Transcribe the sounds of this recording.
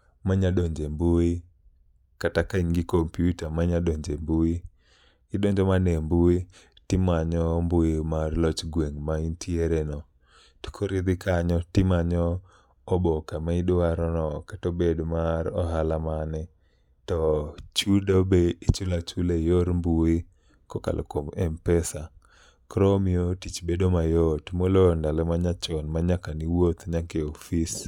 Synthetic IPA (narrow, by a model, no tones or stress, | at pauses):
maɲaɗoɲd͡ʒembui | katakaɲɡɪkompjutamaɲaɗoɲd͡ʒembui | ɪɗɔɲd͡ʒɔmanembui | tɪmaɲɔmbʊjimarlɔt͡ʃɡweŋmaintʰieɾenɔ | ti̥kʰoɾɪd̪ɪkaɲɔtɪmaɲɔː | bɔkamaɪdaɾɔnɔkatobedmaɾɔɦalamanɛ | tɔt͡ʃudobeit͡ʃulat͡ʃulejoɾmbui | kɔka̰lʔo̰komɛmpɛsa | kɾɔmiotit͡ʃbedomajɔtmolondalɔmaɲat͡ʃɔnmaɲakaniwot̪ɲakeofis